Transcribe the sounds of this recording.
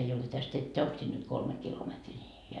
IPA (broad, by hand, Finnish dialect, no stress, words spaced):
ei ole tæst etːæ oŋk sin nyt kolme kilometriː ni